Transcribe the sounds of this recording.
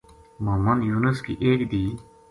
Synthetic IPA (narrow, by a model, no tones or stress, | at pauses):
mɐmɐnjuːnɐskḭʔeːkd̪iː